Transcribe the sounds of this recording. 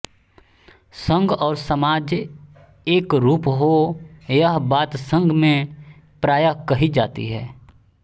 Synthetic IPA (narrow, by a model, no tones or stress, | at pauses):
sə̃ŋɡɔːɾsəmaːd͡ʒ | eːkɾuːpɦojəɦbaːt̪sə̃ŋɡʱmẽ | pɾaːjakəɦid͡ʒaːt̪ḭɦɛ̰ː